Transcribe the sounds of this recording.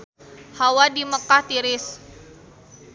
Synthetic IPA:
hawadiməkaht̪iɾɪs

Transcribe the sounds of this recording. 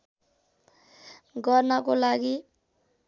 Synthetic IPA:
ɡʌrnʌkolaɡi

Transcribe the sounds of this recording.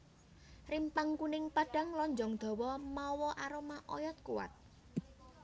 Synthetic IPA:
rimpaŋkunɪŋpaɖ̥a̤ŋlɔɲd͡ʒɔŋd̪̥ɔ̤wɔmawɔʔaɾomaʔɔ̰jɔt̪̚kuwa̰t̪̚

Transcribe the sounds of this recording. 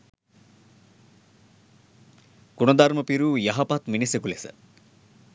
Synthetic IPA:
kunɐd̪aɾməpiɾujɐɦɐpat̪minisekulesə̰

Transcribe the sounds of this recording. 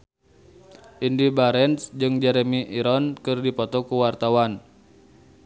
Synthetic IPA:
ʔindibaɾɛnsd͡ʒɨŋd͡ʒɛɾɛmiʔiɾɔnkɨrdipɔt̪ɔkuwart̪awan

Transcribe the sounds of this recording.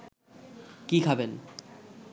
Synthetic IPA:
kikʰaben

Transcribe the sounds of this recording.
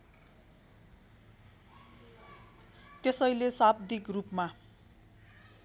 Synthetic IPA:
t̪esʌjlesabd̪ikrupma

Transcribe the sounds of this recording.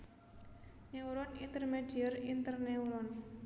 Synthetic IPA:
neuɾɔnint̪ərmeɖ̥iərint̪ərneuɾɔn

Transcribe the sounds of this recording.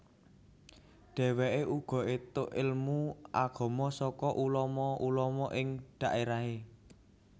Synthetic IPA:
ɖ̪̥ɛ̤wɛʔeʔuɡ̥ɔ̤et̪ʊʔɪlmuʔaɡ̥ɔ̤mɔsɔkɔʔulɔmɔʔulɔmɔʔɪŋɖ̥a̤ʔeɾaɦe

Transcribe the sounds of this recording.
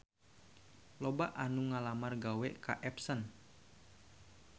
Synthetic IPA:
lɔbaʔanuŋalamarɡawɛka̰ʔɛpsən

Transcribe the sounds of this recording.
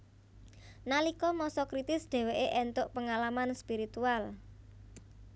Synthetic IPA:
nalikɔmɔsɔkɾit̪ɪsɖ̪̥ɛ̤weʔeʔɛnt̪ʊʔpəŋalamanspiɾit̪ual

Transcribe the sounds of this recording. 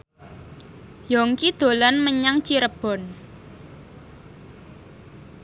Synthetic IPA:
jɔŋkid̪̥o̤lanməɲaŋt͡ʃiɾəb̥ɔ̤n

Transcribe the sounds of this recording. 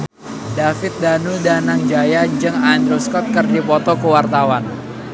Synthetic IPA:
dafɪt̪̚danudanaŋd͡ʒajad͡ʒɨŋand̪ɾoskɔt̪̚kərdipɔt̪ɔkəwart̪awan

